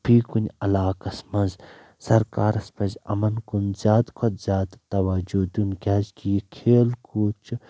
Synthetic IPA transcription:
pʰiːkunʲɐlaːkɐsmɐnz | sɐɾkaːɾɐspɐzɐ̰mɐnkunzʲaːd̪kʰod̪zʲaːd̪t̪ɐʋaːd͡ʒud̪unkʲaːzkijikʰeːlkuːt͡ʃ

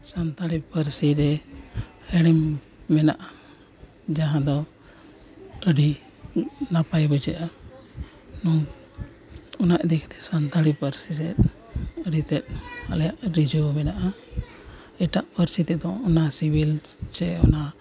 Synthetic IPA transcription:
sant̪alipəɾsiɾɛ | həɽimː | ɛnaʔa | d͡ʒaɦãd̪ɔ | əɖi | napajbɔd͡ʒɛʔa | nɔ | ɔnaʔd̪ɛkʰt̪ɛ̥sant̪alipəɾsis̬ɛt̪̚ | əɽit̪ɛt̪̚alɛjaʔɾid͡ʒumɛnaʔa | ɛʈaʔpəɾsit̪ɛd̪ɔ̃ɔnasibilt͡ʃɛɔna

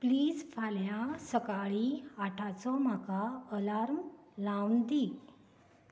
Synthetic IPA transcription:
pliːd͡zfʰaljasəkaɭiaʈʰat͡sɔm̤akaəlaɾm | lawnd̪i

